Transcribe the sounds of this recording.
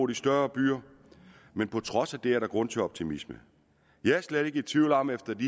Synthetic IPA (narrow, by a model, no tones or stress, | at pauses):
d̥isd̥ɶɐb̥y̰ːɐ | menpʰɒ̽t͡sʰʁɒ̽sæd̥e̝æɐɾ̥ɑ̈ɡ̥ʁɔ̽n̰t͡sʰe̝lɒ̽b̥̚t͡sʰimismə | jæsleɾ̥e̝ɡ̥əit͡sʰʋiːʊlɒmefd̥ɐd̥i